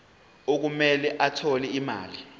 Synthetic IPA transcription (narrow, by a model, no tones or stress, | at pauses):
ok̬umɛlɛʔatʰɔlɛima̰ːli